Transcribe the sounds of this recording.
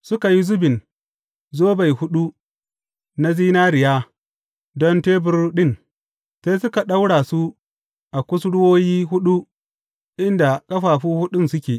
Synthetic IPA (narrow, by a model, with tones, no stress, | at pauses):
sʊ˦ka˨ji˦zʊ˦bɪ˨n | zoː˦ba˨jhʊ˦ɗu˦ | na˦ziː˦naː˦ɾɪ˨jaː˦ | dɔ˦nteː˦bʊ˦rɗɪ˦˨n | seː˦sʊ˦ka˨ɗa˦wɽaː˨su˦ | ʔa˨kʷʊ˦sɽʊ˦woː˦jiː˦ɦʊ˦ɗu˦ | ʔɪ˦nda˨kʼɐ˦ɸaː˨ɸuː˦hʊ˦ɗʊ˦nsʊ˦kʲeː˨